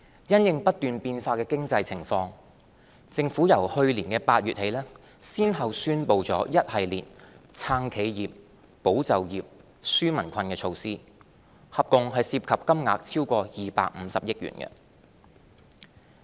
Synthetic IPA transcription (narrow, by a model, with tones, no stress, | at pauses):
jɐ˥njɪ˨ŋpɐ˥t̚t̪yː˨npiː˧nfaː˧kɛː˧kɪ˥ŋt͡sɐ˧jt͡sʰɪ˨˩ŋfɔː˧ŋ | t͡sɪ˧ŋfuː˨˥jɐ˨˩whɵ˧ɥliː˨˩nkɛ˧paː˧t̚jyː˨t̚he˨˧˥jlɛː˥ | siː˥nɦɐ˨wsyː˥npo˨˧wt͡sɔː˨˥jɐ˥t̚hɐ˨jlḭː˨˩nt͡sʰaː˧ŋkʰe˨˧jjiː˨p̚ | po˨˥wt͡sɐ˨wjiː˨p̚ | syː˥mɐ˨˩nkʷʰɐ˧nkɛː˧t͡sʰo˧wsiː˥ | hɐ˨p̚kʊ˨ŋɦɐ˨jsiː˧p̚kʰɐ˨p̚kɐ˥mŋa̰ː˨k̚t͡sʰiː˥wkɔː˧jiː˨pa̰ː˧k̚m̩˨˧˦sɐ˨p̚jɪ˥k̚jy̰ː˨˩nkɛ̰˧